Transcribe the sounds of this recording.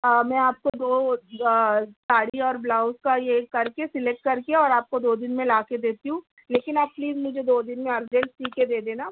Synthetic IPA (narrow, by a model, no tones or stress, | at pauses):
mɛ̃ːaːp̚kod̪oː | saːɽiɔːɾblaːʊskajekɐɾkesɪlek̚ʈ̚kɐɾkeɔːɾaːp̚kod̪oːd̪ɪnmẽlaːked̪eːt̪iɦũː | leːkɪnaːb̚pliːzmʊd͡ʒʱed̪oːd̪ɪnmẽɐɾd͡ʒɛ̃ɳʈsiːked̪eːd̪eːnaː